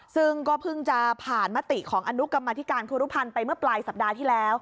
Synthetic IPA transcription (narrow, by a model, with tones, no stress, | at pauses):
sɯ˥˩ŋkɔː˥˩pʰɯ˥˩ŋt͡ɕa˨˩ʔpʰaː˨˩nma˦˥t̪i˨˩kʰɔː˩˦ŋʔa˧nu˦˥ka˧mːaː˧t̪ʰi˦˥kaː˧nkʰuː˧ɾu˦˥pʰa˧npa˧jmɯ˥˩ɐplaː˧jsa˨˩p̚daː˧t̪ʰiː˥˩lɛː˦˥w